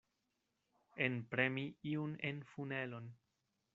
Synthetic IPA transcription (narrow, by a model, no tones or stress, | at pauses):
enpɾe̞miiunenfune̞lo̞n